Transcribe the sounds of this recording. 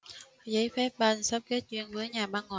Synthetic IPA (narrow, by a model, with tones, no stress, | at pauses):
zə˨˦jfɛ˦˥p̚ɓa˧nsə˦˥p̚ke˨˦˥t̚t͡ɕwi˧ənvəː˨˦jɲaː˨˩ɓaː˧nŋɔː˨